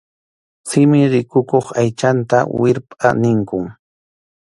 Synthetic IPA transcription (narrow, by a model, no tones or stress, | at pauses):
sɪmɪɾɪkʊkoχajt͡ʃant̪a̰wɪɾpʼa̰nɪŋkʊŋ